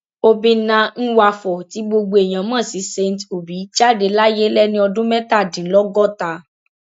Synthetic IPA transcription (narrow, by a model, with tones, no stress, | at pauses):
o˧bĩ˧nã˧˦n̩˦wa˧fɔ˨ti˨˦ɡ͡bo˧ɡ͡bo˧˨e˨j̃ã˨mãː˦˨si˨˦se˧n˨to˨bi˨˦t͡ʃa˦˨de˨˧la˦je˦lɛ˦nĩ˧˦ɔ˧dũ˦mɛ̃˦ta˦˨dĩ˨˦lɔ˦ɡɔ˦˨ta˧